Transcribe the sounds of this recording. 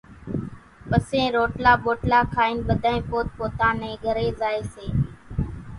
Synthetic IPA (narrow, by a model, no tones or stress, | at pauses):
pəsẽːɾoːʈlaːɓoːʈlaːkʰaːiːnɓəd̪ʱaːẽːpoːt̪̚poːt̪ãːnɛ̃ːɡʱəɾeːzaːeːseː